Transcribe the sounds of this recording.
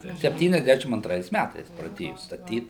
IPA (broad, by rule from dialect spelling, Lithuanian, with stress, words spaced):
sʲɛpʲˌtʲiːnʲɛzʲˈdʲæʃʲɪm ɐntˈrɐɪs ˈmʲætɐɪs prɐˈdʲeːjʊ stɐˈtʲiːt